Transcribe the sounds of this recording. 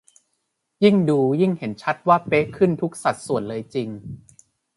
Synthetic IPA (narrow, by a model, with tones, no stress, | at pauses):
ji˥˩ŋduː˧ji˥˩ŋhe˩˦nt͡ɕʰa˦˥t̪̚waː˥˩pe˦˥kʰɯ˥˩nt̪ʰu˦˥k̚sa˨˩t̪̚su˨˩ənlɤː˧jt͡ɕi˧ŋ